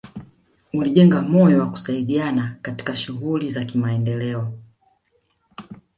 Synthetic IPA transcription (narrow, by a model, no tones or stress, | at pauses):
uliʄɛŋɡamɔjɔwaku̥saiɗianakati̥kaʃuɣulizakimaɛndɛlɛɔ